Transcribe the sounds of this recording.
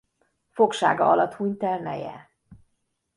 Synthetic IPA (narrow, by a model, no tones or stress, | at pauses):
fo̞kʃaːɡɒɒlɒt̪huɲt̪ɛlnɛjɛ̰